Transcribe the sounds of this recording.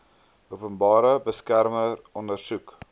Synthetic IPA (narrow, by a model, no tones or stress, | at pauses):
ʔupənbɑːɾəbəskærmərɔndərsuk